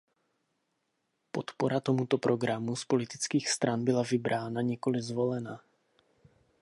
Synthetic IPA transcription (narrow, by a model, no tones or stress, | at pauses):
po̞t̪po̞ɾat̪o̞mut̪o̞pɾʔo̞ɡɾamuspo̞lɪt̪ɪt͡skiːxst̪ɾanbɪlavɪbɾʔaːnaɲɛko̞lɪzvo̞lɛna